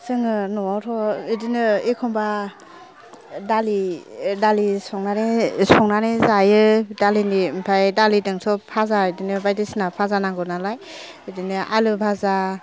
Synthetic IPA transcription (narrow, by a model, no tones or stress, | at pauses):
sɯŋɯnɔtʰɔidinɯekʰɔmba | dalidalisɔŋnanesɔŋnanezajɯdalinimpʰajdalidɯŋsɔpʰazaidinɯbajdesinapʰazanaŋɡɔnalaj | idinɯʔalɯbʰaza